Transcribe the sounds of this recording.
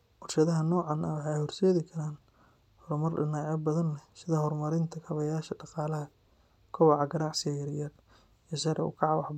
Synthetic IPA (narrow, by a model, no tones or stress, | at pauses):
ʔɔrʃɐðɐɦɐnɔːʕɑnʔɐwɑħɑɛjhɔrsɛːðɪkʰɐɾaːn | hɔɾmɐrɖɪnaːʕɐbɐðɐnlɛsɪðɐhɔrmɐɾɪnt̪ʰɐkʰɐβɐjaːʃɐɖɑqɑːlɐɦɐ | kʰɐwɑʕɑɡɐnaːʕsɪɣɐjɐɾjɐd̪ | iʃɐɾʔɛṵkʰɐʕɑβɑħb